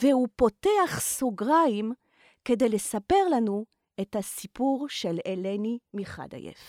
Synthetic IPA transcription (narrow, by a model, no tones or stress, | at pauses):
vehupo̞teaχsoɡʁaim | ke̞dejlesape̞ʁlanu | ethasipuʁʃelelenimiχa̰d̪a̰jḛf